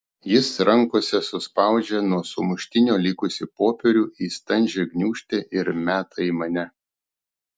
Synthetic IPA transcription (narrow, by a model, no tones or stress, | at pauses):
jɪsɾɐŋkosʲɛsʊspɑˑʊd͡ʒʲɛnuɔsʊmʊʃʲt̪ʲɪnʲoːlʲɪkʊsʲɪpoːpʲɛɾʲuːʔiːst̪ɐnʲʒʲɛɡnʲuːʃʲt̪ʲeːʔɪɾmʲæːt̪ɐiːmɐnʲɛ